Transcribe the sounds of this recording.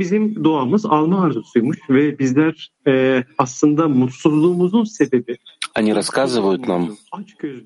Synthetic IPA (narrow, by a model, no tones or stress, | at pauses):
bizimd̪oaːmɯzalˠmaːɾd̪ɯsujmuʃvɛbizlʲæɾ | ɛːaslˠɯnd̪amut̪suzlˠuːmuzunse̞be̞bianiɾaskʰazɯvajut̪namat͡ʃɟøz